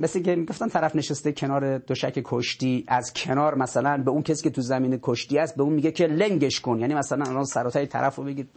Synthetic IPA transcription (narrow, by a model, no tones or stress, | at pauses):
mesikemiɡo̞ft̪æmt̪ʰæɾæfneʃest̪ekʰe̞nɒːɾed̪̥oʃæ̰cʰekʰoʃt̪iːʔæzkʰe̞nɒːɾmæsælænbe̞unkʰesiːkʰʲet̪ʰuzæmiːnekʰoʃt̪iːæst̪̚beuːnmiːɡekʰe̞leŋɟe̞ʃkonjæːnimæsælænælɒnsæɾɔːt̪ʰæʃit̪ʰæ̰ɾæfɾobeɡiːd̪̥